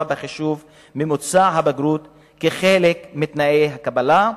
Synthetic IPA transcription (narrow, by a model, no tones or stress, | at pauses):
abeχiʃuv | mimot͡saɦabaɡɾut̪ | keχelekmit̪naʔejɦakabala